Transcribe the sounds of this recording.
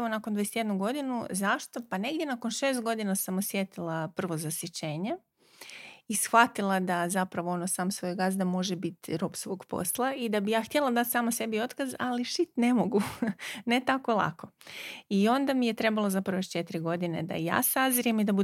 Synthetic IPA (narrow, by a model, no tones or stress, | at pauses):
ʋonakond̪ʋajeset̪jed̪nuɡo̞d̪inuzaʃt̪o̞pane̞ɡd̪jenako̞nʃeːs̬t̪ɡo̞d̪inasamosjet̪ilˠapr̩ʋozasjet͡ɕe̞ːɲa | isxʋat̪ilˠad̪azapɾaʋoonosaːmsʋo̞joɡazd̪amo̞ʒebit̪iɾo̞ːpsʋo̞ːɡpo̰slˠaid̪abijaːxt̪jelˠad̪at̪saːmase̞bio̞t̪kazaliʃit̪ne̞moɡunet̪ako̞lˠa̰ko̞io̞nd̪amije̞t̪ɾe̞balˠo̞zapɾaʋot͡ʃe̞t̪iɾiɡo̞d̪ine̞d̪a̰ja̰ːsazɾiemid̪abu